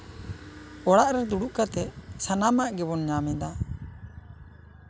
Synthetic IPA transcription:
ɔɽaʔɾɛd̪uɽuʔkat̪ɛsanamaʔɡɛbɔnɲamɛd̪a

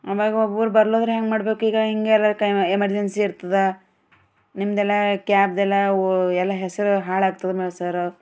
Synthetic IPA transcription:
ɐʋaːɡɐobuːɾubɐɾloːd̪ɾuɦeŋɡmaːɽbe̞ːkuiːɡɐɦiŋɡeɛlːɐɾkemɐɾd͡ʒensiiɾt̪ɐd̪e | nimd̪ɛlːɐkaːp̚d̪ɛlːɐɛlːɐɦɛsɐɾuɦaːɭaːɡ̚t̪ɐd̪emeːɭsɐɾ

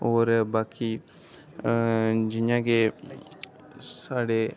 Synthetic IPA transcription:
oːɾbaːki | d͡ʒɪãːɡe | saːɽe

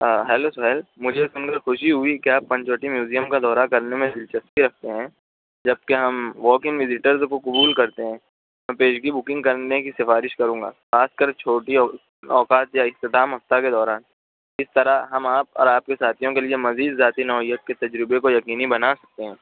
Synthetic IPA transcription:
ɦɛːlosʊɦɛlmʊd͡ʒʱesʊnkəɾxʊʃiɦʊikiaːpːɐ̃ɲt͡ʃoːʈimjuːzijəmkad̪ɔːɾakɐɾnemẽd̪ɪlt͡ʃɐst̪piɾɐk̚ʰt̪eɦɛ̃ː | d͡ʒɐb̚keɦɐmʋɔːkɪ̃ŋɡʋɪzɪʈəɾzkokʊbuːlkɐɾt̪eɦɛ̃ː | mɛ̃ːpeːʃɡibʊkɪ̃ŋɡkɐɾnekisɪfaːɾɪʃkɐɾũːŋɡa̰ːxaːskɐɾt͡ʃʰoːʈi | ɔːkaːt̪jaɪst̪ɪd̪aːmɦɐft̪aked̪ɔːɾaːn | ɪst̪ɐɾaɦɐmaːpɔ̰ːɾaːp̚kesaːt̪ʰijõkeliemɐziːd̪zaːt̪inɔːɪjət̪̚ket̪ɐd͡ʒɾɪbekojɐkiːnibɐnasɐ̥k̚t̪eɦɛ̃ː

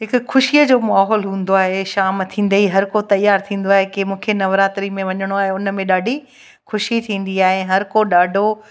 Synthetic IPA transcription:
ɦɪkʊxʊʃijəd͡ʑoːmaːɦɔːlɦũːn̆d̪oaːɦeʃaːmt̪ʰĩːn̆d̪eiɦɐɾkot̪ɐjaːɾt̪ʰĩːn̆d̪oaːɦekemũːkʰenɐʋɾaːt̪ɾimẽʋɐɲəɽ̃oaːɦeʊnə̆mẽɗaːɖʱi | xʊʃit̪ʰĩːn̆d̪iaːɦeɦɐɾkoɗaːɖʱo

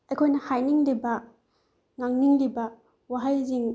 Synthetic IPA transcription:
ejkʰojnɐhajniŋlibɐ | ŋaŋniŋlibɐ | waɦajziŋ

